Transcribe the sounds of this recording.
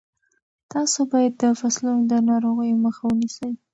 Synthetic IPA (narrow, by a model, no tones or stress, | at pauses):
t̪ɑsobɑjad̪ːəfasluŋd̪ənɑɾoɣəjməxawənisəj